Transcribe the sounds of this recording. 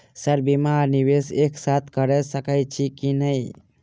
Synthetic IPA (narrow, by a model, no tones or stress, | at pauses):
səɾbimaɾniʋeseksat̪ʰkəɾɛsəkəjt͡ʃʰikinəi